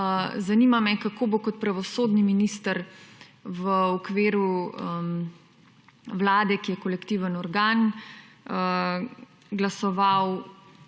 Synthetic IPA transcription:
zanimamɛkakobokɔt̪̚pɾaʋɔsoːd̪niminist̪əɾ | ʋəɔkʋeːɾuə | ʋlaːd̪ɛkijɛkɔlɛkt̪iːʋənɔɾɡaːn | ɡlasɔʋaw

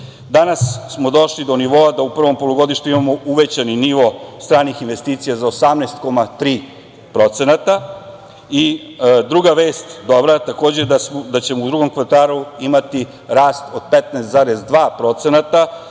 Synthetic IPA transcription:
d̪anasːmod̪o̞ʃlid̪o̞niʋo̞ad̪aupr̩ʋo̞mpo̞loɡo̞d̪iʃt̪uimamouʋet͡ɕaniniʋo̞st̪ɾaːnixinʋe̞st̪iːt̪sijazaosamneːst̪ko̞mat̪ɾiː | pɾo̞t̪senat̪a | id̪ɾuɡaʋe̞ːst̪d̪o̞bɾat̪ako̞ːd͡ʑed̪ad̪at͡ɕe̞moud̪ɾuɡo̞mkʋat̪aːluimat̪i | ɾaːst̪o̞d̪̥pet̪neːst̪zaɾezd̪ʋaːpɾo̞t̪senat̪a

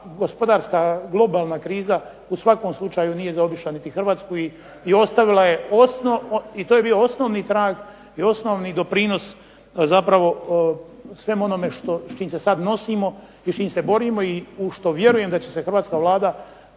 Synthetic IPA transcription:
ɡo̞spo̞d̪aːɾskaɡlˠo̞baːlˠnakɾiːza | usʋako̞mslˠut͡ʃajunije̞zao̞biʃlˠanit̪ixr̩ʋaːt̪skuiː | o̞st̪aʋilˠaje̞osnoit̪oje̞biːo̞o̞sno̞ːʋnit̪ɾaːɡ | io̞sno̞ʋnid̪o̞pɾiːno̞s | zapɾaʋo̞ | sʋe̞mo̞no̞me̞ʃt̪ot͡ʃiːmse̞sad̪no̞simo̞ | it͡ʃiːmse̞bo̞ɾimo̞iuʃt̪o̞ʋje̞ɾuje̞md̪at͡ɕe̞se̞xr̩ʋaːt̪kaʋlˠaːd̪a

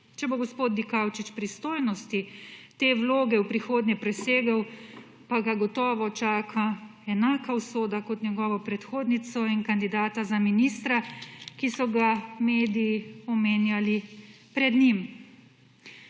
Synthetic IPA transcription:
t͡ʃɛboɡɔspoːt̪̚d̪ikawt͡ʃit͡ʃpɾist̪oːjnɔst̪it̪eːwloːɡɛwpɾixoːd̪njɛpɾɛseːɡɐw | paɡaɡɔt̪ɔːʋɔt͡ʃaːkʰaɛnaːkawsoːd̪akɔt̪nʲɛɡɔːʋɔpɾɛt̪xoːd̪nit̪sɔinkand̪id̪aːt̪azaminist̪ɾakisɔɡameːd̪iːɔmeːnjali | pɾɛd̪nim

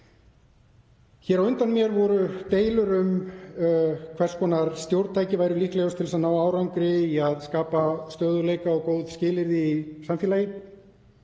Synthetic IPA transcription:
çɛɾawʏnt̪anmjɛɾvɔɾʏt̪eːjlʏɾʏm | kʰvɛr̥skʰɔːnaɾst̪jowɾt̪t̪ʰajcɪvajɾʏlihklɛɣʏst̪ʰɪlsaðnaːwaːwɾawŋkɾɪiaðskaːpast̪œːðʏleːjkaɔɣkoːwðscɪːlɪɾðiːsamfjɛːlajɪ

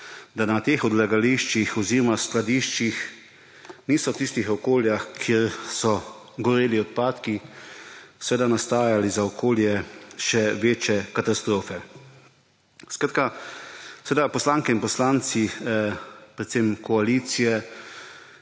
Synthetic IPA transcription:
d̪anat̪eːxɔd̪laɡaliʃt͡ʃixɔziːɾɔmasklad̪iʃt͡ʃix | niːsɔt̪ist̪ixɔkoːljaxkʰiɾsɔ | ɡɔɾeːliɔt̪̚paːt̪ki | sɛʋeːd̪anast̪aːjalizaɔkʰoːljɛʃɛʋeːt͡ʃɛkat̪ast̪ɾoːfɛ | skɾaːt̪̚ka | sɛʋed̪apɔslaːŋkɛinpɔslant̪si | pɾɛt̪semkɔaliːt̪sijɛ

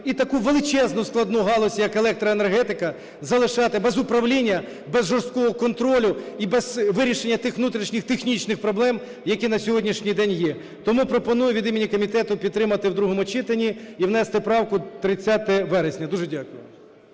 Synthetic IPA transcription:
it̪ɐkuʋelˠɪt͡ʃɛznʊsklˠɐd̪nuɦɑlˠɔsʲjɐkelˠɛk̚t̪ɾɐenerɦɛt̪ɪkɐ | zɐlˠɪʃɑt̪ɪbɛzʊpɾɐwlʲinʲːɐ | bɛzʒɔrst̪̚kɔɦɔkɔnt̪ɾɔlʲʊibɛzʋɪɾʲiʃenʲːɐt̪ɪxʋnut̪ɾʲiʃnʲɪxt̪exnʲit͡ʃnɪxpɾɔblˠɛm | jɐkʲinɐsʲɔɦɔdʲnʲiʃnʲijd̪ɛnʲjɛ | t̪ɔmupɾɔpɔnujʊʋʲid̪imʲinʲikɔmʲit̪ɛt̪ʊpʲid̪t̪ːɾɪmɐt̪ɪwd̪ɾuɦɔmʊt͡ʃɪt̪ɐnʲiiwnɛst̪ɪpɾɑwkʊt̪ɾɪt͡sʲːɑt̪ɛɛʋɛɾesʲnʲɐd̪uʒɛdʲɑkʊjʊ̰

